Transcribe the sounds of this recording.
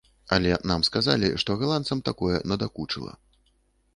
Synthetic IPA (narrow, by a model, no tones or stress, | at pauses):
ɐlʲɛnamskazalʲḭʂt̪ɔɣalˠant̪sɐmt̪akɔjɛ̰nɐd̪akut͡ʂɨlˠɐ̰